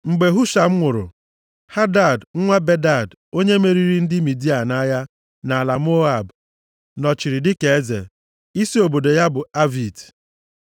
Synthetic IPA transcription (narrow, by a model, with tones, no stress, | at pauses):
ŋ͡m̩˨ɡ͡be˨ɦu˦ʃa˨m̩˦ŋʷʊ˨ɾʊ̰˨ | ha˦da˦˨dŋ̩˦ŋʷa˦be˦da˦˨d | o˦ɲe˦me˨ɾi˨ɾi˦n̩˦dɪ˦mi˨di˦a˨na˦ja˦ | na˨la˨m˦o˦a˨b | nɔ˨t͡ʃi˨ɾɪ˨dɪ˦ke˨e˦zḛ˨ | i˦si˦o˨bo˨do˨ja˦bʊ˨a˦vi˨t